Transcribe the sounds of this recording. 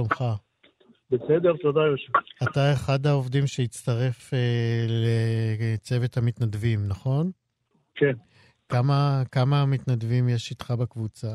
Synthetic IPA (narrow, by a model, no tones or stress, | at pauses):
omχa | besed̪eʁt̪odajoʃevatae̞χad̪haovdimʃejit͡st̪aʁe̞felet͡se̞ve̞thamit̪nadvimnaχo̞n | ken | kamakamaːmit̪nadvimjeʃit̪χabekvut͡sa